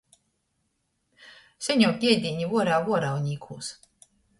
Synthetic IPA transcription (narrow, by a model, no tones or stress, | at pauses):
sʲɛɲɔːkʲiɛd̪ʲiɲʲivuɔɾaːvuɔɾawɲʲiːkʰuːs